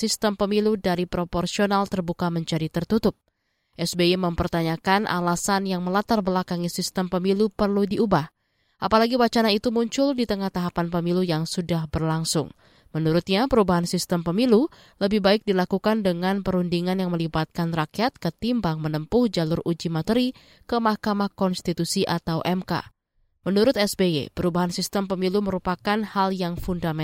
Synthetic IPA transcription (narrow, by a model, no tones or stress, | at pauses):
sist̪əmpəmiludaɾipɾoporsionalt̪ərbukaməɲt͡ʃaɾit̪ərt̪ut̪ʊp̚ | ʔɛsbeiməmpərt̪aɲakanʔa̰lasanjaŋməlat̪arbəlakaŋisist̪əmpəmilupərludiubah | ʔapalaɡiwat͡ʃanait̪umuɲt͡ʃʊldit̪əŋaht̪aɦapanpəmilujaŋsudahbərlaŋsʊ̰ŋ | mənuɾʊt̪̚ɲapəɾubaɦansist̪əmpəmilu | ləbɪhbaɪk̚dilakukandəŋanpəɾundiŋanjaŋməlibat̪̚kanrakijat̪̚kət̪imbaŋmənəmpʊhd͡ʒalʊrud͡ʒimat̪əɾi | kəmahkamahkɔnst̪it̪usiʔat̪awʔɛmka̰ | mənuɾʊt̪ɛsbeḛpəɾubaɦansist̪əmpəmiluməɾupakanhaljaŋfundamɛ